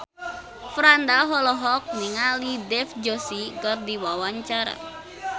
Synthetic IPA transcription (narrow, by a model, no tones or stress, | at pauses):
fɾand̪aɦɔlɔɦɔk̚niŋalidɛfd͡ʒɔsikərdiwawaɲt͡ʃaɾa̰